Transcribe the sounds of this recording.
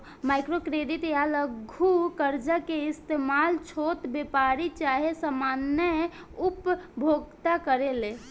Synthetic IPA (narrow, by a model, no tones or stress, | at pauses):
maɪkɾokɾeɖiʈjaləɡʱukəɾd͡ʒəkeɪst̪emalt͡ʃʰot̪bepaɾit͡ʃaɦesamanjə | upbʱoɡt̪akəɾele